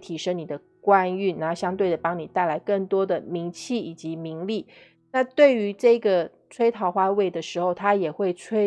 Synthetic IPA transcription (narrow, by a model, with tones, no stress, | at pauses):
t̪ʰi˧˥ʂɤ˥ŋni˨˩d̪ə˦ | kwa˦ny˥˩na˧˥˩ɕjɑ˥ŋt̪we˥˩ɪd̪ə˩pɑ˥ŋni˨˩t̪a˥˩ɪla˧˥ɪkɤ˥˩ŋt̪wɔ˥d̪ə˨mi˧˥ŋt͡ɕʰi˥˩i˨˩t͡ɕi˧˥mi˧˥ŋli˥˩ | na˥˧t̪we˥˩ɪy˧˥ʈ͡ʂɤ˥˩i˧˦ɡə˨ | ʈ͡ʂʰwe˥ɪt̪ʰɑ˧˥ʊxwa˥˧we˥˩ɪd̪ə˩ʂɻ̩˧˥xo˥˧˩ʊt̪ʰa˥jɛ˨˩xwe˥˩ɪʈ͡ʂʰwe˥